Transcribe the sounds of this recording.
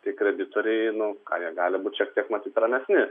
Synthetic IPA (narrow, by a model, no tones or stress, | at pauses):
t̪ʲɐɪkɾʲɛd̪ʲɪt̪oːɾʲɛɪnʊkɑ̰ːjiɛɡɑːlʲɪbuːt̪ʲʃʲiɛk̚t̪ʲiɛkmɐt̪ʲiːt̪ɾɐmʲɛsʲnʲɪ